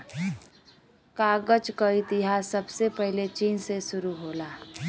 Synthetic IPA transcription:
kaːɡəd͡ʒkəit̪ɪɦaːsːəbsepɛɦlet͡ʃiːnsesʊɾuɦoːlaː

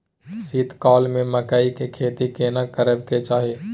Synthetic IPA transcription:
siːt̪kaːlmẽməkaːikekʰeːt̪ikeːnakəɾəbket͡ʃaːɦieː

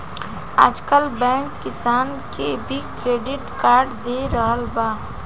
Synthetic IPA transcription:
a̰ːd͡ʒkəlbɛ̃ŋkːɪsaːn | kebʱikɾeːɖɪʈkaːɾɖd̪eɾəɦəlba

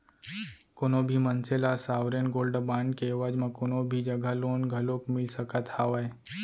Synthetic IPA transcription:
koːnobʱimənselasaːʋɾenɡoːlɖbaːɳɖkeːʋaːd͡ʒmãkoːnobʱid͡ʒəɡʱaloːnɡʱəlokmɪlsəkat̪aːʋae

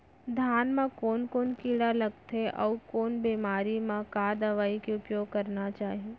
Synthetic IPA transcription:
d̪ʱjaːnmãkoːnkoːnkiːɽaləɡt̪ʰeʔə̰ukoːnbeːmaːɾimãkaːd̪əʋaːikiʊpjoːɡ̚kəɾnat͡ʃaːɦie

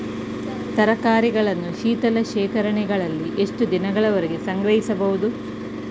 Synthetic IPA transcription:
t̪ɐɾɐkaːɾiɡɐɭɐnːuʃiːt̪ɐlɐʃeːkɐɾɐɳɛɡɐɭɐlːiʔe̞ʂʈud̪inɐɡɐɭɐʋɐɾeɡesɐŋɡɾɐjisɐbɐɦud̪u

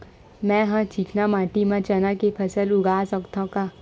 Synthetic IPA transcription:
mɛ̃ːɦãt͡ʃiːkʰnamãːʈimãt͡ʃɐnakepʰɐsəlʊɡaːsɐkt̪ʰõkaː

